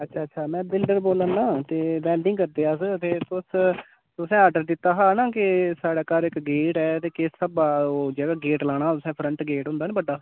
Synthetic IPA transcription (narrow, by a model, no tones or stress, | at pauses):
ətːʃʰaːətːʃʰaːmɛ̃ːbɪlɖəɾboːlə̃naːt̪eːbɛːlɖɪ̃ŋɡkəɾd̪eːaːst̪eːt̪ʊs | t̪ʊsɛ̃ːəɖəɾd̪ɪt̪ːaːɦaːnãːkɪsaːɽaːkaːɾɪkɡeːʈɛːt̪eːkɪsəbaːoːd͡ʒeːɡaːɡeːʈlaːɽ̃aːt̪ʊsɛ̃ːpʰɾə̃ɳʈɡeːʈɦʊ̃ːnd̪aːnẽːbəɖaː